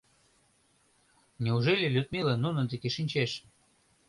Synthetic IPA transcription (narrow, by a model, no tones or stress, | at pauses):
nʲeuʒelʲelʲyt̪̚mʲelenunəd̪ekeʃinʲt͡ɕeʃ